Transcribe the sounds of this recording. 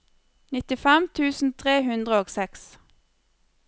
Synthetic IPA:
nɪt̪ɪfɛmt̪ʰʉːsn̩t̪ʰʁeːhʉnd̪ʁəoːɡsɛks

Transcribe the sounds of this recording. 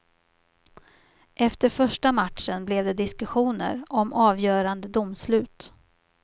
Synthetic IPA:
ʔɛft̪əɾfœʂʈamaʈ̪ʂənblɛvd̪ɛd̪ɪskɵɧuːnə̰ɾɔmʔɑːvjœːɾand̪əd̪ʊmːslʉ̟ːt̪

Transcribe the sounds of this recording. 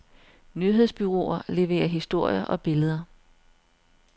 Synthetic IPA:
nyɦe̝ð̰ˠsb̥yʁo̝̰ɐle̝ʋe̝̰ːɐɦisd̥o̝ɐ̰jɐʔɒ̽b̥e̝ləð̞ˠɐ

